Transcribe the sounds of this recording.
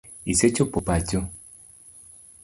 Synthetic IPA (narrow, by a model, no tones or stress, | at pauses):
iset͡ʃopopat͡ʃo